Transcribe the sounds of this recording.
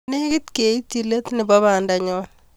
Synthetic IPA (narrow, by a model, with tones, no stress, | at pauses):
ne˦kɪ˦t̪ke˨i˦tːi˨le˦t̪nɪ˨ba˦βa˨nda˨ɲɔ˦l